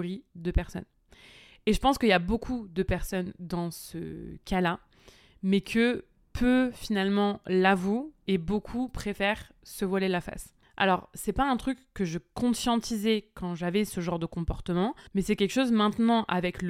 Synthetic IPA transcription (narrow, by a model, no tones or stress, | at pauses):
ʁid̪əpɛʁsɔ̰n | eʒəpɑ̃skəijabokʰud̪əpɛʁsɔnd̪ɑ̃sə̰kala | mɛkʰə | pʰøfinalmɑ̃lavuebokʰupχefɛʁ | səvwalelafa̰s | ʔa̰lɔʁsɛpaɛ̃t̪χykːəʒəkɔ̃sjɑ̃t̪izɛkɑ̃ʒavɛsəʒɑ̃ʁd̪əkɔ̃pɔʁt̪əmɑ̃mɛsɛkʲɛlkʃozmɛ̃t̪nɑ̃ʔavɛkl